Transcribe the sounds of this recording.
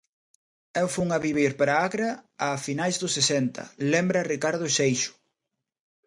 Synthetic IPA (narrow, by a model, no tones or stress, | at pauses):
ɛwfuŋɐβiβiɾpaɾaaɣɾɐːfinajzðʊsesɛnt̪ɐ̰lɛmbɾɐrikaɾð̞ʊʃejʃʊ̥